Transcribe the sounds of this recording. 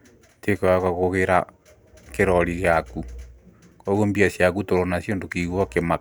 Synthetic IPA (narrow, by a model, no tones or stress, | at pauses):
tekɔakaɣoɣeɾa | keɾɔɾiɣeaku | kɔɣombiasjak̬utoɾɔnasjondokiɣwɔkema